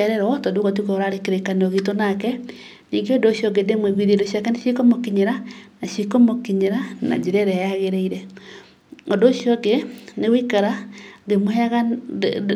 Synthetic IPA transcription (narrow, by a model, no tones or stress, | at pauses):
aɾɛɾɔtodoɣat̬ukooɾaɾekeɾekaneoɣitonakɛ | niːŋɡeodoʃjɔɡedemweɣwiðedoʃiakɛneʃikomokiɲeɾanaʃikomokiɲeɾana̰d͡ʒeɾɛɾɛjaɣeɾeiɾɛ | odoʃjɔɡenewikaɾaɡemohɛaɣa